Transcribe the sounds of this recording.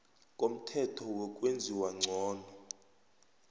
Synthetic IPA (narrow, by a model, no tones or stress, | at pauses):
kʼom̩tʰɛtʰɔwɔkʼwend͡zʱiwaŋ͡ǀʱɔːnʱɔ